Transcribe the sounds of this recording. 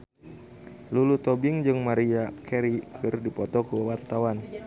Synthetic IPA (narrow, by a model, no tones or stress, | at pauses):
lulut̪ɔbɪŋd͡ʒɨŋmaɾiakʰɛɾikʰɨrdipɔt̪ɔkuwart̪awan